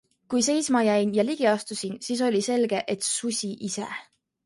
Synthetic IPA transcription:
kujse̞jsmɑjæjnjɑliɡ̥iɑst̪usinsiːs̬o̞lʲise̞lɡ̥e̞ʔet̪susʲiʔisḛ

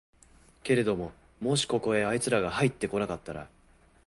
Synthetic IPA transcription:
ke̞ɾe̞d̪o̞mo̞ | mo̞ɕi̥ko̞ko̞e̞ait͡sɨɾaɡaɦait̪ːe̞ko̞nakat̪ːaɾa̰

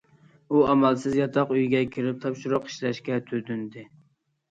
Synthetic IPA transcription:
uɑmɛlˠsɪzjɑt̪ʰɑqyjɡʲɛkʲʰiɾɪp̚t̪ʰɑpʃiɾʊqi̥ʃlɛʃkʲɛt̪ʰød̪ynd̪ɪ

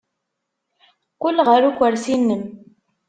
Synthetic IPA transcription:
kʊlːʁəɾukʷːəɾsinːəm

